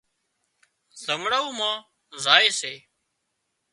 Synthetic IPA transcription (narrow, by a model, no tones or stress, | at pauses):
zəŋɽaːuːmãː | zaːeːseː